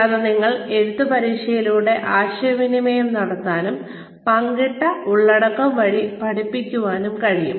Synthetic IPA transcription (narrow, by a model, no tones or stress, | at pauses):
ɐðɐniŋːɐɭe̞ɾuðupɐɾiːʂɐjiluːɽe̞ʔaːɕɐɐʋinimejumnɐɽɐt̪ːaːnum | pɐŋɡiʈːɐuɭːɐɽɐkːɐmʋɐɻipɐɽipːikʲːuʋaːnumkɐɻijṵm